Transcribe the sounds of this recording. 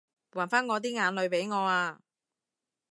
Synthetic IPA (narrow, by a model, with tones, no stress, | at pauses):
waː˨˩nfaː˥nŋɔː˨˧t̪̬iː˥ŋaː˨˧nlɵ˨˧ɥpe˨˥jŋɔː˨˧aː˧